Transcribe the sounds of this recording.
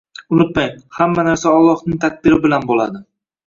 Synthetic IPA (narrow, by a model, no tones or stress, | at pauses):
ʊnɪt̪majhamːanaɾsaɒlˠːɒhnɪŋt̪ʰak̚ʲd̪ɪɾɪbɪlanbola̰d̪ɪ